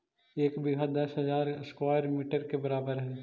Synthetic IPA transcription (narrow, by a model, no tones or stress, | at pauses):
eːkbiɡʱad̪ɐsɦɐzaːɾɪskwaːjəɾmiːʈəɾkebɐɾaːbəɾɦɛː